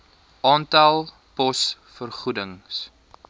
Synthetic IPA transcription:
ɑːntɐlˠ | pɔs | fərχudəŋs

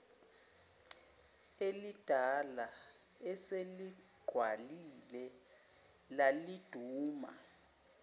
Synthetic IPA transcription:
elid̥ʱala | ɛseli | ɡ͡ǃʱwalilɛ | lalid̥ʱuːma̰

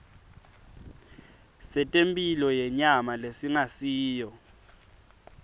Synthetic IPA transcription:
sɛtʼempʼilɔjɛɲamalesiŋasiːjɔ

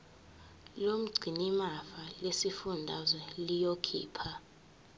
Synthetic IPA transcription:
lom̩ɡ͡ǀʱinimafalesifundʱazwɛlijokʰḭːpʰa

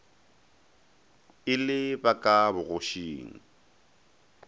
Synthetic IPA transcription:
ɪlɪbakʼabʊɣʊʃiːŋ̩

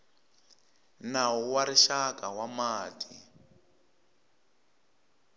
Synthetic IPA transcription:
nawuwaɾiʃakawamaːti

